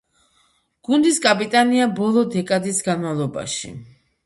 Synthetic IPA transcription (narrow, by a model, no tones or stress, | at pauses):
ɡ̥und̪iskʼapʼit̪ʼaniabɔlˠɔd̪ɛkʼad̪isɡanmavlˠɔba̰ʃḭ